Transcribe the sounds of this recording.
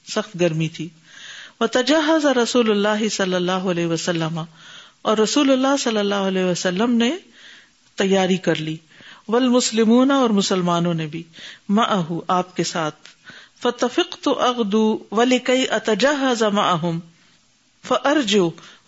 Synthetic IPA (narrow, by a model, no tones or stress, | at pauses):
sɐxt̪ɡɐɾmit̪ʰiː | ʋɐt̪ɐd͡ʒaːɦɐzaɾɐsuːlʊlːaːɦɪsɐlːɐlːaːɦoɐlɛːɦʋɐsɐlːəmaɔːɾːɐsuːlʊlːaːɦsɐlːɐlːaːɦʊɐlɛːʋɐsɐlːəmne | t̪ɐjːaːɾikɐɾliː | ʋɐlmʊslɪmuːnaɔːɾmʊsɐlmaːnõnebʱimɐʔɐɦuʔaːp̚kesaːt̪̚ʰfɐt̪ɐfɪqt̪ʊʔɐɣd̪uːʋɐlɪkɐjʔɐt̪ɐd͡ʒaːɦɐzamɐʔɐɦʊm | fɐʔɐɾd͡ʒuː